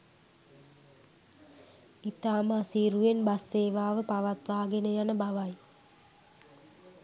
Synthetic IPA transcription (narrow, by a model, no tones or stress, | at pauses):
it̪aːməasiːɾuʋenbasːeːʋaːʋəpaʋat̪ʋaːɡenəjanəbaʋaj